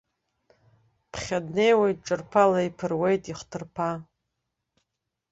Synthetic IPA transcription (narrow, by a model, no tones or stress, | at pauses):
pʰχʲadnejwejt̚ʼʈ͡ʂʼɨrpʰalaipʰɨrwe̞jtʼiχʷtʰɨrpʰa